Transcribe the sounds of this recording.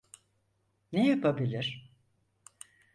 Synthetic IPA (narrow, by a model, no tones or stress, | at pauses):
nejapʰabilʲiɾ̥